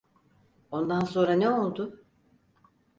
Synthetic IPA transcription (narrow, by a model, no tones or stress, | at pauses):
o̞nd̪anso̞nɾaneo̞lˠd̪ʊ